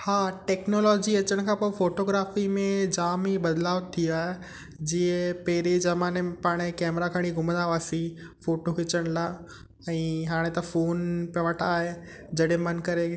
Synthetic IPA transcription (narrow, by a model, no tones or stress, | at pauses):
haːʈeːknoːlɔːd͡ʑiɐt͡ɕəɽ̃kʰãːpoːfoːʈoːɡɾaːfimẽd͡ʑaːmibɐd̪laːʋt̪ʰiaːɦe | d͡ʑiẽpɐɦɪɾed͡ʑɐmaːnepaːɽ̃ekɛːmɾakʰɐɽ̃iɡʱʊmə̃nd̪aʋaːsi | foːʈokɪt͡ɕəɽ̃laː | ɛ̃ːɦaːɽ̃et̪ɐfoːnpjɐʋɐʈʰaːɦe | d͡ʑɐɗɦẽmɐnkɐɾe